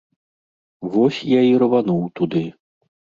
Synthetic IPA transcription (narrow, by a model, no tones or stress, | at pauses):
vɔsʲjaiɾɐvanuwt̪ud̪ɨ